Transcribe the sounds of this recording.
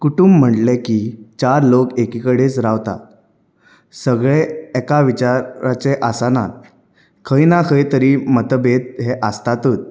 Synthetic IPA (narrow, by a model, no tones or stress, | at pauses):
kuʈumb̤ːəɳlekit͡ɕaɾlokekikəɽet͡sɾaʋt̪a̰ | səɡɭeɛkaʋit͡ɕaɾat͡seʔasana̰t̪̚ | kʰəjnakʰəjt̪əɾiːmət̪əbet̪̚ɦeʔəst̪at̪uːt̪̚